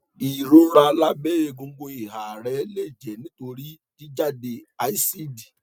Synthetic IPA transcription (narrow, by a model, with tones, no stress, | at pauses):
i˨ɾõ˨˦ɾa˧la˦be˦je˧ɡũ˧ɡõ˧i˨ha˨ɾɛ˨˦le˦˨d͡ʒɛ˨nĩ˨˦to˧ɾi˦ | ki˦d͡ʒa˦˨de˧a˧˨i˦si˦di˨